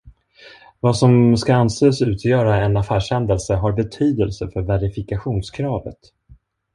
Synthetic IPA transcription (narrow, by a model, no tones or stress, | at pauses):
vasɔmskaanseːsʉ̟ːt̪ʰjœːɾaɛnafæːʂhɛnd̪əlsəɦaɾbɛt̪ʰyːd̪əlsəfœɾvæɾɪfɪkaɧuːnskʰɾɑːvə̰t̪